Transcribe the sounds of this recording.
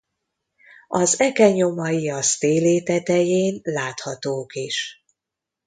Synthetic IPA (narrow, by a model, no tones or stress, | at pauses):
ɒzɛkɛɲomɒjiɒst̪eːleːt̪ɛt̪ɛjeːnlaːt̪hɒt̪oːkiʃ